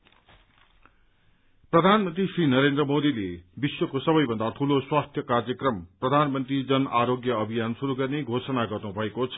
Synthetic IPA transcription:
prʌd̪ʱanmʌnt̪risrinʌɾend̪rʌmod̪ilebiswokosʌbʌjbʱʌ̃nd̪at̪ʰuloswast̪ʰjʌkard͡zjʌkrʌmprʌd̪ʱanmʌnt̪rid͡zʌnʔaɾoɡjʌʌbʱijansuɾuɡʌrneɡʱosʌnaɡʌrnubʱʌekot͡sʰʌ

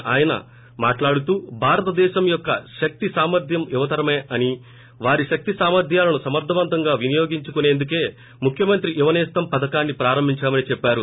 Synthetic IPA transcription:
aːjɐnɐ̰ | maːʈlaːɽut̪uːbʱaːɾɐt̪ɐd̪ɛːʃɐmjɔkːɐʃɐk̚t̪isaːmɐɾd̪ʱjɐmuʋɐt̪ɐɾɐmeːʔɐni | ʋaːɾiʃɐk̚t̪isaːmɐɾd̪ʱjaːlɐnusɐmɐɾd̪ʱɐʋɐnt̪ɐŋɡaːʋinijo̞ːɡiɲt͡ʃukune̞ːnd̪uke̞ː | mukʰjɐmɐnt̪ɾiʔuʋɐnɛːst̪ɐmpɐd̪ɐkaːnːipɾaːɾɐmbʱiɲt͡ʃaːmɐnit͡ʃɛpːaːɾu

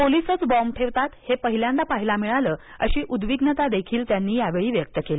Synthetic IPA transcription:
polisət͡sbɔmʈʰeʋt̪at̪hepəɦiljãnt̪apaɦilamiɭaləː | ə̰ɕiːʔud̪ʋiɡnət̪ad̪ekʰiːlt̪janːiːjaʋeɭiːʋjək̚t̪əkeli

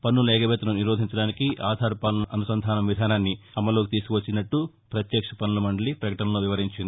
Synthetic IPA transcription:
pɐnːulɛːkɐbɛt̪ɐnoniɾoːd̪ʱiɲt͡ʃɐɽaːnikiʔaːd̪ʱaːɾpalɐnɐnusɐnd̪ʱaːnɐmʋid̪ʱaːnaːnːi | ɐmːɐlo̞ːkit̪iːsu̥kuʋɐt͡ʃːinɐʈːu | pɾɐt̪jɛːkʂɐpɐnːulɐmɐɳɖɐlipɾɐkɐʈɐnɐloːʋiʋɐɾiɲt͡ʃind̪i

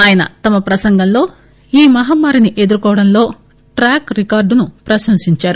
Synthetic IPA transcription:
aːjɐnɐ̰t̪ɐmɐpɾɐsɐŋɡɐmlo̞ː | iːmɐɦaːmːaːɾiniʔe̞d̪uɾukɔːʋɐɽɐnlo̞ː | ʈɾaːkɾikaːɾɖnupɾɐʃɐmsiɲt͡ʃaːɾu

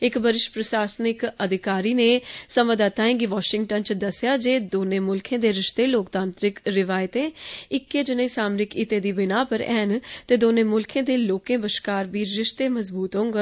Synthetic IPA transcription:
ɪkbəɾɪʃpɾəsaːsnɪkəd̪ʱɪkaːɾiːneːsəməd̪aːt̪aːẽːŋɡiːʋaːʃɪ̃ŋɡʈənt͡ʃd̪əsːɪjaːd͡ʒeːd̪oːnẽːmʊlkʰẽːd̪eːɾɪʃt̪eːloːkt̪ãːnt̪ɾɪkɾɪʋaːɪt̪ẽːɪkːeːd͡ʒɪnə̃isaːmnɪkɪt̪ẽːd̪iːbɪnaːpəɾɛːnt̪eːd̪oːnẽːmʊlkʰẽːd̪eːloːkẽːbəʃkaːɾbiːɾɪʃt̪eːməzbuːt̪ɦõŋɡ

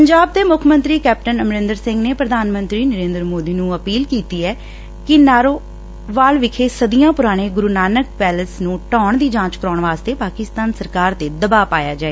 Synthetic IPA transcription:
pəɲd͡ʒaːb̚d̪eːmʊkʰmə̃nt̪ɾiːkɛːp̚ʈənəmɾɪ̃nd̪əɾsɪ̃ŋɡneːpɾəd̪ʱaːnmə̃nt̪ɾiːnəɾeːnd̪əɾmoːd̪iːnũːəpiːlkiːt̪iːɛː | kɪnaːɾoː | ʋaːlʋɪkʰeːsəd̪ijãːpʊɾaːɽ̃eːɡʊɾuːnaːnək̚pɛːləsnũːʈɔ̃ːɳd̪iːd͡ʒãːt͡ʃkəɾɔːɳʋaːst̪eːpaːkɪst̪aːnsəɾkaːɾt̪eːd̪əbaːpaːjaːd͡ʒaːeː

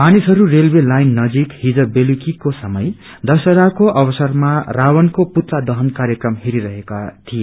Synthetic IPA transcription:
manisɦʌɾurelwelajnːʌd͡zikhid͡zʌbelukikosʌmʌj | d̪ʌsʌɾakoʔʌbʌsʌrmarawʌnkoput̪lad̪ʌɦʌnkaɾjʌkrʌmɦiɾiɾʌɦekat̪ʰije

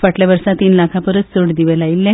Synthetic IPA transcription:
faʈlaʋəɾsat̪iːnlakʰapəɾət̪soɽd̪iʋelailːe

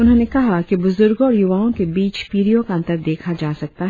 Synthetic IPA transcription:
ʊnɦõːnekɐɦakibʊzʊɾɡõɔːɾjʊʋaːõkebiːt͡ʃpiːɾijõkaɐ̃nt̪əɾd̪eːkʰad͡ʒaːsɐk̚t̪aɦ

